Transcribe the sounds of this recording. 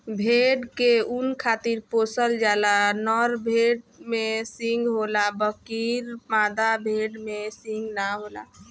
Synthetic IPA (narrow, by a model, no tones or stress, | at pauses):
bʱeɖkeunkʰat̪iɾposəld͡ʒalanəɾbʱeɖmesĩŋɡɦolabəkiɾmad̪abʱeɖmesĩŋɡnaɦola̰